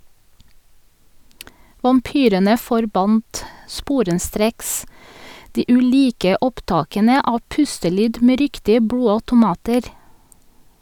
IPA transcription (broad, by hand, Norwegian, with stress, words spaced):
ʋɑmˈpyːɾənə fɔɾˈbɑnt ˈspuːɾəˌstɾeːks ˈdiː ʔʉˈliːkə ˈɔpˌtɑːkənə ˈɑː ˈpʉstəˌlyːd ˈmeː ˈɾɪktɪə ˈbɽuːɑtʊˌmɑːtəɾ